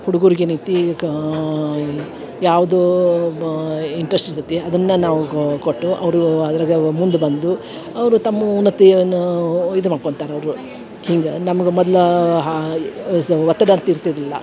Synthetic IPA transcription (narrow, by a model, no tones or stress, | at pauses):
huɽuɡuːɾiɡeniːt̪i | jaːʋɐd̪u | iɳʈɾesʈiɾsɐt̪ːiɐd̪ɐnːɐnaːʋukoʈːuʔɐʋɐɾuɐd̪ɐɾaɡemund̪ubɐnd̪u | ɐʋɐɾut̪ɐmːɐunːɐt̪ːiɐnːujid̪umaːɖkoɳt̪aːɾeɐʋɐɾu | hiːŋɡɐnɐmɐɡemɔd̪ɐlɐɦ | ʋɐt̪ːɐɽɐnt̪ɐiɾt̪id̪ilːɐ̰